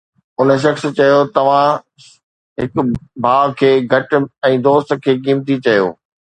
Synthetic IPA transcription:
ʊnə̆ʃ̬ɐxst͡ɕɐjot̪ɐʋ̤ã | ɦɪkbʱaːkʰeːɡʱɐʈ̆ɛ̃ːd̪oːst̪kʰeːk̬iːmt̪it͡ɕɐjo̰ː

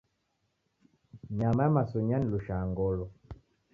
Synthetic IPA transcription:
ɲamajamasɔɲaniluʃaŋɡɔlɔ

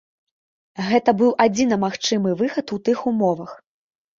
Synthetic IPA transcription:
ɣɛt̪ɐbɨwʔad͡zʲinɐmaxt͡ʂɨmɨvɨxɐt̪ut̪ɨxumɔvɐx

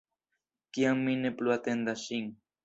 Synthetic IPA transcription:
kjaŋminepluat̪end̪aʃiŋ

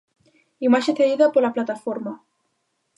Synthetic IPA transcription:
imaseθeðiðapoɾlaplat̪afoɾma

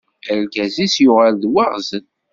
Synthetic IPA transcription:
æɾkæzisjʊʁalðwaʁzən

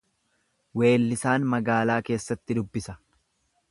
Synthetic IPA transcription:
we̞ːlːɪsaːnmɐɡaːlaːke̞ːsːɐt̪ːɪd̪ʊbːɪsɐ

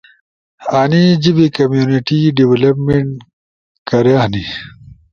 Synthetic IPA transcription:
aːnid͡ʑibikɐmjuniʈiɖiwelɐpmeɳʈ | kɐɾjaːni

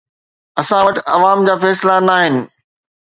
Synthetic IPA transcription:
ɐsãʋɐʈɐʋaːmd͡ʑaːfɛːslanaːɦɪnɪ̆

